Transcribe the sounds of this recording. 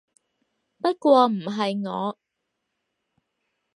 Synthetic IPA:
pɐ˥t̚kʷwɔː˧m̩˨˩ɦɐ˨jŋɔ̰ː˨˧

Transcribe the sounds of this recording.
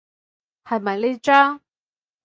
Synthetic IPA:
hɐ˨jmɐ˨jle˧ʈ͡ʂa˥

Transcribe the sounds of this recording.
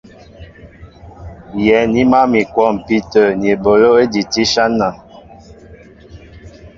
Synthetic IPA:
jɛ˨˦ni˦ma˦mi˨kwɔ˦˨m˨pi˦tə˨n˨e˨bo˨lo˦e˦di˨ti˦ʃa˦na˨

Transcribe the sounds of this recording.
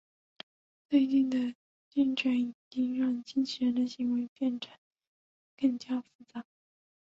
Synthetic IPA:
t͡swe˥˧ɪt͡ɕi˥˩nd̪ə˨˩ | t͡ɕi˥˧nʈ͡ʂʰɥɛ˧˥ni˨˩t͡ɕi˥ŋɻɑ˥˧ŋt͡ɕi˥nt͡ɕʰi˧˥ɻə˧˥nd̪ə˨ɕi˧˥ŋwe˧˥ɪpjɛ˥˩nʈ͡ʂʰə˨˧˥n | kɤ˥˩ŋt͡ɕja˥fu˥˩t͡sa˧˩˥

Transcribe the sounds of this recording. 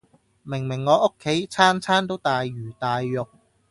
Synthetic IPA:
mɪ˨˩ŋmɪ˨˩ŋːɔː˨˧˥ʔʊ˥kʰːe˨˥jt͡sʰaː˥nt͡sʰaː˥nt̪o˥wt̪aː˨jɥyː˨˩t̪aː˨jjʊ˨k̚

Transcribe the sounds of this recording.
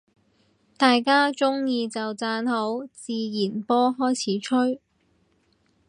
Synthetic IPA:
t̪aː˨jkaː˥t͡sʊ˥ŋjiː˧t͡sɐ˨wt͡saː˧nɦo˨˥wt͡siː˨˧jiː˨˩npɔː˥ɦɔː˥jt͡sʰiː˨˥t͡ʃʰɵ˥ɥ

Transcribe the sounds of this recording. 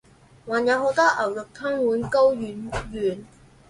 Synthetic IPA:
waː˨˩njɐ˨˧wɦo˨˥wt̪ɔː˥ʔɐ˨˩wjʊ˨˩k̚t̪ʰɐ˥ŋwuː˨˥nko˥wjyː˨˧njyː˨˩n

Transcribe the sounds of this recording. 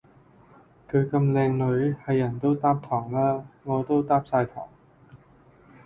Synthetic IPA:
kʰɵ˨˧kɐ˧mlɛː˧ŋlɵ˨˥jhɐ˨˧jːɐ˨˩nt̪o˥wt̪aː˥p̚t̪ʰɔː˨˩ŋlaː˥ŋɔː˨˧t̪o˥wt̪aː˥p̚saː˧jt̪ʰɔ̰ː˨˩ŋ

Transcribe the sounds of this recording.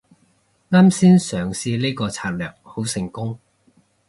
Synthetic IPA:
ŋaː˥msiː˥nsœː˨˩ŋsiː˧liː˥kɔː˧t͡sʰaː˧t̚lœ̰ː˨˩k̚ho˨˥wsɪ˨˩ŋkʊ˥ŋ

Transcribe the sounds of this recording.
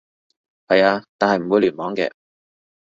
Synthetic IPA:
hɐ˨jaː˧t̪aː˨nhɐ˨jm̩˨˩wu˨˧˥lyː˨˩nmɔː˨˥ŋkɛ̰ː˧

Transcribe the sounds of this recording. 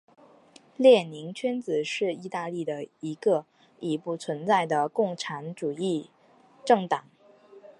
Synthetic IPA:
ljɛ˥˩ni˧˥ŋt͡ɕʰɛ˥nt͡sɹ̩˨˩ʂɻ̩˥˧i˥˧t̪a˥˧li˥˩d̪ə˩i˧˥ɡə˧ | i˨˩pu˥˩t͡sʰwə˧˥nt͡sa˥˩ɪd̪ə˩kʊ˥˩ŋʈ͡ʂʰa˧˥nʈ͡ʂu˨˩i˥˩ | ʈ͡ʂɤ˥˩ŋt̪ɑ˨˩˦ŋ

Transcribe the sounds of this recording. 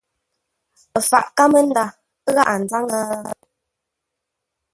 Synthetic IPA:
ə˨fa̰˨ʔka˦mə˦n̩˦da˦˨ | ə˦ɣa˦ʔa˨n̩˨d͡za˦ŋə˦

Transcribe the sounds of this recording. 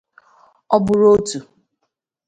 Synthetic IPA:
ɔ˦bʊ˨ɾo˦tu˨

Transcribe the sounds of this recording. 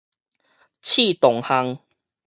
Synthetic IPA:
t͡ɕʰi˥˧˨t̪ɔ˨˩ŋha˧ŋ

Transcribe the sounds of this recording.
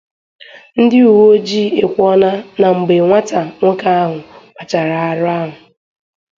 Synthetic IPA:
n̩˦dɪ˦u˨wo˦d͡ʒi˦˨e˨kʷɔ˦na˦na˨ŋ͡m̩˨ɡ͡be˨ŋʷa˦ta˨ŋʷʊ˦ka˦a˦ɦʊ˨k͡pa˨t͡ʃa˨ɾa˨a˨ɾʊ˦a˦ɦʊ˨

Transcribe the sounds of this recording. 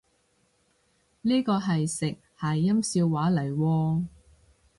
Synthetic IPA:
niː˥kɔː˧ɦɐ˨jsɪ˨k̚hɐ˨jːɐ˥msiː˧wːaː˨˥lɐ˨˩jwɔː˧

